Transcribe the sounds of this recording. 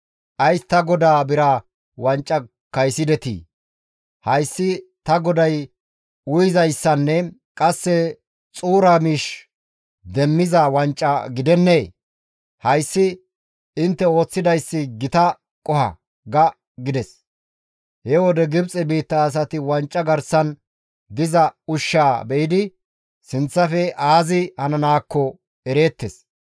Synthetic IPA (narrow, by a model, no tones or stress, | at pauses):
ʔɐjst̪ɐɡɔd̪aːbɪɾɐ | wɐnt͡ʃʼːɐ | kɐjsɪd̪ɛt̪ḭː | hɐjsːɪt̪ɐɡɔd̪ɐj | ʊjɪzɐjsːɐnːɛkʼɐsːɛ | t͡sʼuːɾɐmiːʃ | d̪ɛmːɪzɐwɐnt͡ʃʼːɐɡɪd̪ɛnːeː | hɐjsːɪ | ɪnt̪ːɛo̞ːt͡sːɪd̪ɐjsːɪɡɪt̪ɐ | kʼɔhɐ̰ | ɡɐ | ɡɪd̪ɛs | hɛwɔd̪ɛɡɪbt͡sʼɛbiːt̪ːɐːs̬ɐt̪ɪwɐnt͡ʃʼːɐɡɐɾsɐn | d̪ɪzɐʊʃːaːbɛjɪd̪ɪ | sɪnt͡sːɐfɛʔaːzɪhɐnɐnaːkːɔ | ɛɾe̞ːt̪ːɛs